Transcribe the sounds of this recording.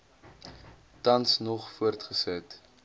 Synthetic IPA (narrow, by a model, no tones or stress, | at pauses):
tɐnsnɔχfuərtχəsət